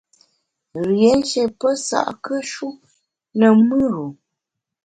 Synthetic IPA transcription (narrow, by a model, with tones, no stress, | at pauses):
ɣjɛ˨˦n˦ʃɛ˨pə˦sa̰˨ʔkə˦ʃu˦ | nə˨mɨ˦ɾo˨